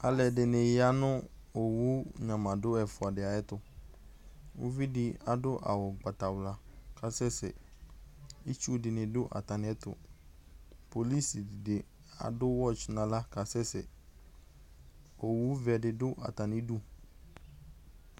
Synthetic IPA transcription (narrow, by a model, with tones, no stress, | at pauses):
a˨lɛ˨dɪ˨nɪ˨jɪ˦a˦nʊ̃˦ | o˨wu˦ɲã˨mã˨dʊ˦ɛ˨fʊ˨a˨dɪ˨a˨ɛ˦tʊ˨ | o̰˦vi˦dɪ˨a˨dʊ˦ʔa̰˨wɔ˨ɡ͡ba˨ta˨wla˨ka˨sɛ˦sɛ̰˨ | i˦t͡ʃu˦dɪ˨nɪ̃˨dʊ˦ʔa̰˨ta˨nɪ˨ɛ˦tʊ̰˨ | po˨li˦si˨dɪ˨dɪ˨ | a̰˨dʊ˦wɔ˦t͡ʃnã˨la˦ka˨sɛ˦sɛ˨ | o˨wu˦vɛ˨dɪ˨dʊ˦ʔa̰˨ta˨nɪ˦du˦